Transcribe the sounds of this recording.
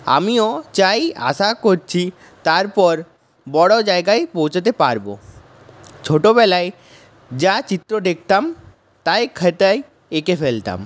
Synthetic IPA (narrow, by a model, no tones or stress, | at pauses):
a̰miot͡ɕaja̰ʃakoɾt͡ɕʰi | t̪aɾpɔɾ | bɔɽod͡ʑaeɡajpowt͡ɕʰet̪epaɾbo̰ | t͡ɕʰoʈoβɛlae | d͡ʑat͡ɕit̪ːɾod̪ek̚t̪am | t̪ajkʰːet̪aj | ekefelt̪a̰m